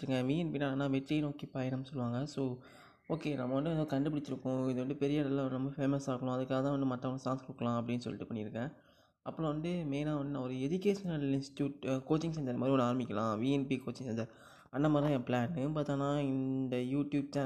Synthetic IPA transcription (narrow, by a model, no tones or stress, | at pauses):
ɾɯŋɡɐ̃ʋiːɛnpinaːnːãːʋɛʈɾinoːkːepɐjɐnɐmsɔlːɯʋaːŋɡɐsoː | oːkenɐmːɐʋɐɳɖɯɛðoːkɐɳɖɯpɪɽɪt͡ʃːɪɾɯkːʊ̃ɪðɯʋɐɳɖɯpɛɾɪjaːɽɐlːãːnɐmːɐfeːmɐsaːkɐɭʊ̃ɐðɯkːaːɣɐt̪ãːɐɳɖ̪ɯmɐʈːɐɐɳɯsaːŋskʊɽɯkːɐɭlãːɐpːɐɽɪnːɯsɔ̰lːɪ̰ʈːɯpɐɳːɪɾɯkːɛ̃ː | ʔɐpːɯɭõʋɐnd̪ɯmeːnaːʋɐnɖ̪ɯnãːɔɾɯɛd͡ʒɪkeːʂɐnɐlɪnsʈɪ̥ʈjuːʈkoːt͡ʃːɪ̃ŋɡsɛɲd͡ʒɐðɐmaːd̪ɾiɔɳɖɯaːɾɐmɪkʲːɐlãːʋiːɛnpikoːt͡ʃːɪ̃ŋsɛɲd͡ʒɐɾ | ɐnd̪ɐmaːd̪ɾ̃jɛ̃ːplaːnpaːt̪ːãːnãːɪnd̪ɐjuːʈjuːb̚t͡ʃaː